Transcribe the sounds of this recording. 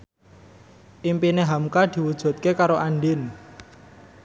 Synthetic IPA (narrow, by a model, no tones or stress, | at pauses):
ʔimpineɦamkad̪̥i̤wud̥ʒ̥ṳt̪̚kekaɾoʔaɳɖɪn